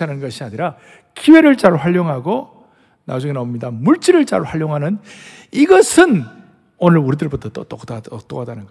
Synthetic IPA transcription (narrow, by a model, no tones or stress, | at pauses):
anɯnɡʌɕʰiaɲiɾa | kiwe̞ɾɯɭt͡ɕ͈aɭɸwaʎːoŋɦaɡo | na̰d͡ʑuŋenamɲidamuɭt͡ɕ͈iɾɯɭt͡ɕa̰ɭɸwaʎːoŋɦanɯn | iɡʌsʰɯn | onɯɭuɾidɯɭbutʰʌt͈o̰t͈oktat͈oɡadanɯnɡ